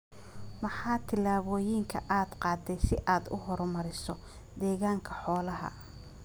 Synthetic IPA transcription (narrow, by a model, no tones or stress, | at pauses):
mɐħɑːt̪ʰɪlaːβɔːjɪŋkʰɐ̰ʔaːd̪qɑːd̪ɛjsɪʔaːd̪ʊ̰ɦɔɾmɐɾɪsɔ | d̪ɛːɣaːŋkʰɐħɔːlɐɦɐ̰